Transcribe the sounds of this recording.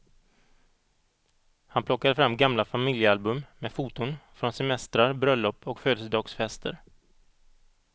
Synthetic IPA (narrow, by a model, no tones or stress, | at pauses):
hanpʰlɔkːad̪əfɾamːɡamlafamɪljəalbɵmmɛfuːt̪ʊnfɾɔnsɛmɛst̪ɾaɾbɾœlːɔpːʰɔkføːd̪əsəd̪ɑːɡsfɛst̪ʰə̰ɾ